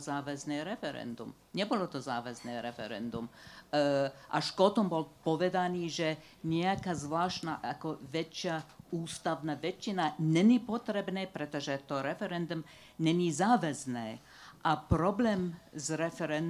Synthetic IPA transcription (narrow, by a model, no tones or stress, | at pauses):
zaːʋɛznɛːɾɛfɛɾɛ̰nd̪um | ɲɛbolɔt̪ɔzaːʋɛznɛːɾɛfɛ̰ɾɛ̰nd̪um | ʔaʃkot̪ɔmbɔlpoʋɛd̪aniːʒɛ | ɲɛakazʋlaːʃt̪naʔakoʋɛt͡ʃjauːst̪aʋnaʋɛt͡ʃːinanɛnipot̪ɾɛbnɛːpɾɛt̪ɔʒɛt̪oɾɛfɛɾɛnd̪um | nɛnizaːʋɛznɛː | ʔapɾoblɛːmzɾɛfɛɾɛn